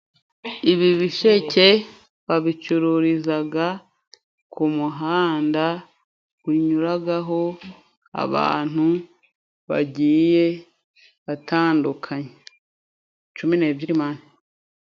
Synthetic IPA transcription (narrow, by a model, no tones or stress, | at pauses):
iβiβiʃe̞ce̞ | βaβit͡ʃuɾuɾizaɡa | kʰumuɦaːnda | kwiɲuɾaɡaɦo̞ | a̰βa̰ːn̥u | βa̰ɟiːje̞ | βatʰaːndukʰaɲe | t͡ʃumineːbɟiɾimaːne